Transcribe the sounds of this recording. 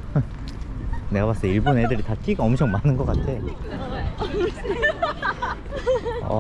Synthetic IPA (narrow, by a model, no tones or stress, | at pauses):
ne̞ɡaβas͈ʌiɭbonedɯɾitat͡ɕ͈iɡaʌmt͡ɕʰʌŋmanɯnɡʌk͈atʰe | ʌ̰